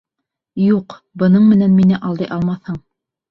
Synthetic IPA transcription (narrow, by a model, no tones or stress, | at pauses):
juq | bɤ̆nɤɴmɘ̆nænminɘʔɑlˠd̪ɤjʔɑlˠmɑθhɤɴ